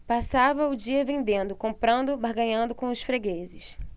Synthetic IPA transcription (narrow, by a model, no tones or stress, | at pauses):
pasavɐʊd͡ʒiɐvẽnd̪ẽnd̪ʊkõmpɾɐ̃nd̪ʊbahɡɐ̃ɲɐ̃nd̪ʊkõw̃ʊsfɾeɡezɪʃ